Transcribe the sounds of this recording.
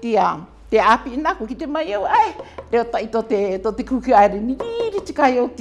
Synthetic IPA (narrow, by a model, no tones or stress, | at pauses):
t̪ia | t̪eapiʔnakokit̪emɐjowaeɾeot̪aʔit̪ot̪et̪ot̪ekukɯaeɾenijiɾit͡ʃi̥kajot̪